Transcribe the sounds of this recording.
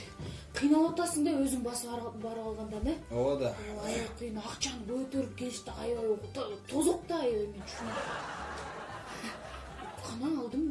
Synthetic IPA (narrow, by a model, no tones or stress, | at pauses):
qʰijnɑlˠɑt̪ɑsəɴd̪ɑwɵzɪŋbɑsɑbɑɾɑlˠʁɑnd̪ɑnewod̪ɑɑjqʰːəjənɑqt͡ʃɑnəɵt̪eɾɪp̚kʲʰe̞st̪ɪɑjʁot̪t̪ʰozəq̚t̪ɑjmet̪ʰʃɪn | qʰɑnɑːlˠd̪əm